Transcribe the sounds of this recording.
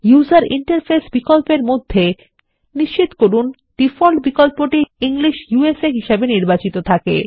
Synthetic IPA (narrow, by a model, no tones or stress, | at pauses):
juzaɾḭɳʈeɾfʰesbikolpeɾmod̪ʱːe | niʃt͡ɕit̪okoɾun | ɖ̥ifɔlʈbikolpoʈiiŋliʃjueseɦiʃabeniɾbat͡ɕit̪ot̪ʰakḛ